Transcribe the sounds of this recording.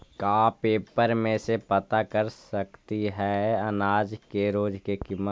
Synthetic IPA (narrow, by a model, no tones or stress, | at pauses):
kaːpeːpəɾmẽsepət̪akəɾsəkt̪iɦɛɐnaːd͡ʒkeɾoːd͡ʒkekɪmːə